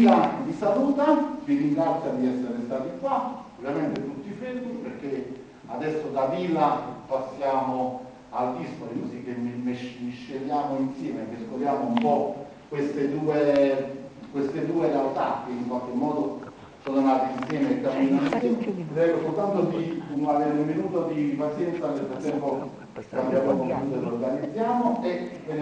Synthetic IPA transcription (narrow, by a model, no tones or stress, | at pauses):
lad̪isaluːt̪atiɾiŋɡɾat̪sːjad̪iɛsːeɾest̪aːt̪ikwaovːjament̪et̪ut̪ːifezbukperk̟ːe | ad̪ɛsːod̪aviːlapasːjaːmo | ald̪ispoɾikosik̟ːemːimeʃmiʃːeʎːaːmoinsjɛːmekːeskoljaːmoumpɔ | kwest̪ed̪uːe | kwest̪ɪd̪uːed̪awt̪akːeiŋkwalk̟emːɔːd̪o | soːnonaːt̪einsjɛːmekːamːiːnoinsjɛːmɾɛjkosult̪ant̪od̪iuŋaveɾummːinuːt̪od̪ipat̪sjɛnt̪sanet̪ɾot̪ːɛmpo | kamd̪javɛːmouːt̪olorɡanid̪zːjaːmoeven